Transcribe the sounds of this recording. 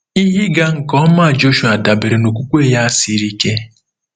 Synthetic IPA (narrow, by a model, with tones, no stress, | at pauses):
i˦ɦi˦ɡa˦ŋ̩˨kɔ˦ma˦˨d͡ʒo˦ʃu˨a˨da˨be˨ɾe˨no˨k̬ʷu˦kʷe˦ja˦si˦ɾi˦ke˦